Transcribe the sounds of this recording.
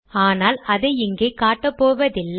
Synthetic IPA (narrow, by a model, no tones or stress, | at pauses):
aːnaːlɐðɐɪɪŋɡeːkaːʈːɐpːoːʋɐðɪlː